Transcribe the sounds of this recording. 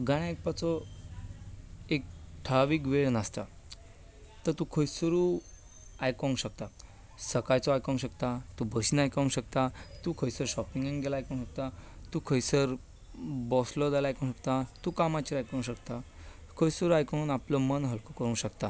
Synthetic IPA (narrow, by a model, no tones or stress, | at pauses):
ɡaɽ̃aek̚pat͡sɔ | ek̚ʈʰaʋiːkʋeɭnast̪a | t̪əɾt̪ukʰəjsuɾu | ajkɔŋɡɕək̚t̪a | səkajt͡sɔajkɔ̃ŋɕəkt̪at̪ubəsinajkãŋɕəkt̪at̪ukʰəjsəɾɕɔpiŋɡeŋɡelaajkɔ̃ŋɕək̚t̪at̪ukʰəjsəɾ | bɔslɔd͡zalajkõɕək̚t̪at̪ukamat͡ɕiɾajkɔ̃ŋɕəkt̪a | kʰəjsəɾuajkɔnunaplɔmənɦəlkokəɾũːɕəkt̪a